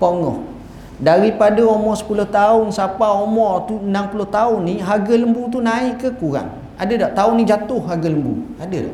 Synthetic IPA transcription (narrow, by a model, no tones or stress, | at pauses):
poŋɔ̰h | daɾipadaomɔʔsə̥pulʊht̪aʊnsapaomɔʔt̪uənampulʊht̪aʊnːiɦaɡələmbut̪unaɪʔkːəkuɾa̰ŋ | adədaʔt̪aʊnːĩd͡ʒat̪ʊhːaɡələmbṵadə̰